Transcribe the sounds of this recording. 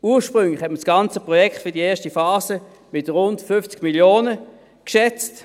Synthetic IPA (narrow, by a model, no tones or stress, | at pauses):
uːɐʃpʁʏŋlɪχhɛtməsɡ̥ɑnt͡səpʁɔjɛktfʏɐdiɛːɐʃtifaːzə | mɪtʁʊntfʏft͡sɡ̥miljoːnə | kʃɛt͡st